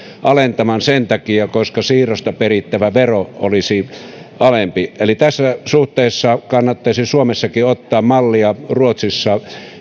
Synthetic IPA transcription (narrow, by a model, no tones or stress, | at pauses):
ʔɑlent̪ɑmɑnsent̪ɑkiɑkoskɑsiːrost̪ɑperit̪ːæʋæʋeroo̰lisiɑlempielit̪æsːæsuht̪ˑeːˑsːɑkɑnːɑt̪ːɑisisuomesːɑkiot̪ːɑːmmɑlːiɑruot̪sisːɑ